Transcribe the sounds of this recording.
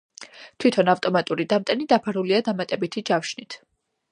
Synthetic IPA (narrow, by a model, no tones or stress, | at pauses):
t̪ʰwit̪ʰɔnaft̪ʼɔmat̪ʼuɾid̪amt̪ʼɛnid̪apʰaɾuliad̪amat̪ʼɛbit̪ʰid͡ʒafʃnit̪ʰ